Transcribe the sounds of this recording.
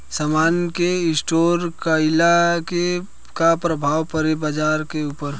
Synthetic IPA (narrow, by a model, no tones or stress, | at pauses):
səmaːnkeɪsʈoːɾkəɪlake | kapɾəbʱaːwpəɾebəd͡ʒaːɾkeuːpəɾ